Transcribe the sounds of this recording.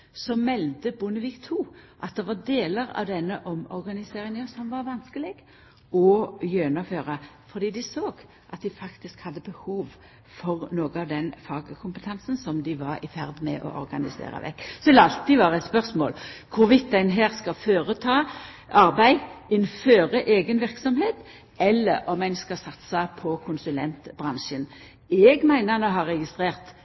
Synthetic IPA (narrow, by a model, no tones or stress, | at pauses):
sɔmɛld̪əbʊnəʋiːkt̪ʰuːʔɑt̪̚d̪ɛʋɑd̪eːləɾɑ̰ʋd̪ɛnːəʔɔmɔ̰ɾɡɑnɪseːʁɪŋɔsɔmʋɑɾʋɑnskəlɪɡ | ɔjøːnɑføːʁəfɔʁd̪iːd̪ɪsoːɡ | ʔɑt̪̚d̪ɪfɑkt̪ɪskhɑd̪ːəbəhuːʋ | fɔʁnoːɡəɑʋd̪ɛnfɑːɡkʰʊmpət̪ʰɛnsn̩sɔmd̪ɪʋɑɾɪfæʁd̪mɛ̰ʔɔ̰ʔɔɾɡɑ̰nɪsḛːʁə̰ʋɛ̰kːsɔɛləɑlt̪ːiʋɑːʁɛt̪spœʁsmo̰ːlkʰʊɾʋɪt̪̚d̪æɪnɦæːʁskɑføːʁət̪ʰɑː | ɑʁbæɪɪnføːʁəʔeːɡənʋɪʁksɔmheːt̪ | ɛlːəɾʔɔmæɪnskɑsɑt̪sɑpʰɔkʰʊnsʉlɛnt̪b̥ʁɑnʃən | ɛɡmæɪnənoɦɑʁːɛɡɪst̪ʁeːʁt̪